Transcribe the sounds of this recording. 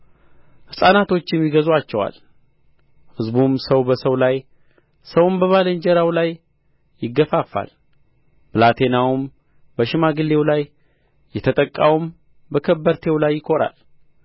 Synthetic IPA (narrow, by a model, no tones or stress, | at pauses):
hɨsʼanat̪ʰo̞t͡ʃːjɛmːiɡəzwat͡ʃːɛwa̰l | hɨzbumsəwbəsəwlaj | səwmbəβaləɲd͡ʒɛɾawlajː | ɪɡːəfafːa̰l | bɨlat̪ʰe̞nawum | bəʃɪmaɡɨlːe̞wlajː | ɛt̪ʰət̪ʼəkʼːa̰wum | bəkʰəbːəɾt̪ʰe̞wlajːɪkʰo̞ɾa̰l